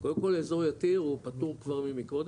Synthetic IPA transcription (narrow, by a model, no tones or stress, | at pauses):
kodemko̞leːzo̞ʁjat̪iʁupat̪uʁkvaʁmimikvod̪